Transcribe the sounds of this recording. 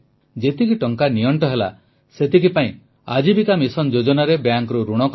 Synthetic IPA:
d͡ʒet̪ikiʈɔŋkaniɔɳʈɔɦela̰ | set̪ikipaĩ | a̰d͡ʒibik̪amisɔnd͡ʒod͡ʒɔnaɾebjaŋkɾuɾuɽ̃ɔk

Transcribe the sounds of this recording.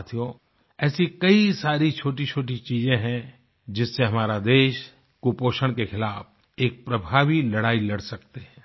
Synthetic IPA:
t̪ʰijoː | ɛːsikɐisaːɾit͡ʃʰoːʈit͡ʃʰoːʈit͡ʃiːzẽɦɛ̃ | d͡ʒɪsːeɦɐmaːɾad̪eːʃ | kupoːʃəɽ̃kexɪlaːf | eːk̚pɾɐbʱaːʋilɐɽaːilɐɽsɐk̚t̪eɦɛ̃ː

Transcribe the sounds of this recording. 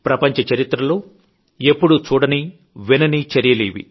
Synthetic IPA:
pɾɐpɐɲt͡ʃɐt͡ʃɐɾit̪ɾɐloː | e̞pːuɽut͡ʃuːɽɐni | ʋinɐnit͡ʃɐɾijɐleːʋḭ

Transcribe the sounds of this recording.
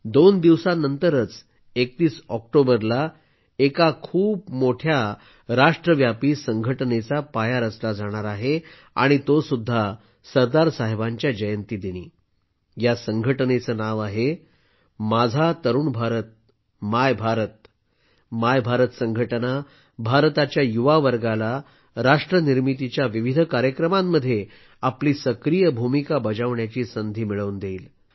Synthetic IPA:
d̪ond̪iʋsanənt̪əɾət͡s | ekt̪iːsɔk̚ʈobəɾla | ekakʰuːpmoʈʰja | ɾaʂʈɾəʋjapiːsəŋɡʱəʈnet͡sapajaɾət͡slad͡zaɽ̃aɾaɦe | a̰ɽ̃it̪osud̪ʱːa | səɾd̪aɾsaɦebaɲt͡ɕjad͡ʑəjənt̪iːd̪iñiː | jasəŋɡʱəʈnet͡sənaʋaɦe | mad͡zʱat̪əɾuːɳbʱaɾət̪̚ | majbʱaɾət̪̚ | majbʱaɾət̪səŋɡʱəʈna | bʱaɾt̪at͡ɕjajuʋaʋəɾɡala | ɾaʂʈɾəniɾmit̪it͡ɕjaʋiʋid̪ʱəkaɾjəkɾəmamːəd̪ʱːje | apliːsəkɾijəbʱumikabəd͡ʑaʋɳjat͡ɕiːsənd̪ʱiːmiɭəund̪eːl

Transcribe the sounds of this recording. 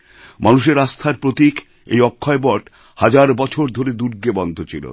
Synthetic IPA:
manuʃeɾast̪ʰaɾpɾot̪ik | ḛjɔkʰːɔebɔʈ | had͡ʑaɾbɔt͡ɕʰoɾd̪ʱoɾed̪uɾɡebɔnd̪ʱot͡ɕʰilo̰

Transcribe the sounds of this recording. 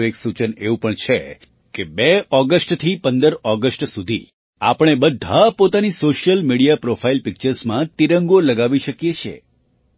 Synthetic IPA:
eksut͡ʃəneʋũpəɳt͡ʃʰe | kebɛɔɡəsʈt̪ʰipənd̪əɾɔɡəsʈsud̪ʱi | a̰pəɽ̃ebəd̪ʱapot̪anisoʃjəlmiɽijapɾofʰailpɪk̚t͡ʃəɾsmãt̪iɾəŋɡoləɡaʋiʃəkjet͡ʃʰḛ

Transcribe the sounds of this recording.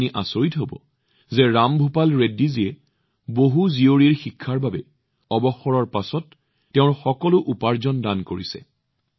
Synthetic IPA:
niʔasoɹitɦobɔ̰ | zɛɹambʱupalɹedːiziɛ | boɦuzioɹiɹxikʰːaɹbabɛ | ɔbɔxɔɹɔɹpasɔtː | ɛʊ̃ɹxɔkɔlʊʔupaɹzɔndankoɹisɛ̰

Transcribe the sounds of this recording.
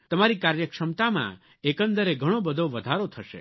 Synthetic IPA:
t̪əmaɾikaɾjəkʂəmt̪amã̰ | ekənd̪əɾeɡʱəɽ̃obəd̪ʱoʋəd̪ʱaɾot̪ʰəʃḛ

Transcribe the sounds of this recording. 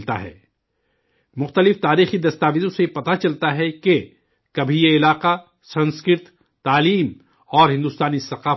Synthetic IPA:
t̪a̰ɦɛ̰ː | mʊxt̪əlɪft̪aːɾiːxid̪ɐst̪aːʋɪd̪õsepɐt̪at͡ʃɐlt̪aɦɛke | kɐbʱijeɪlaːqa | sɐ̃nskɪɾt̪ː | aːliːm | ɔːɾɦɪ̃nd̪uːst̪aːnisɐqaː

